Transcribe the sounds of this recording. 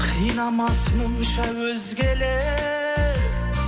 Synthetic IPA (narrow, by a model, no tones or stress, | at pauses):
qʰijnɑmɑsmʊmʃɑwɵzɡʲele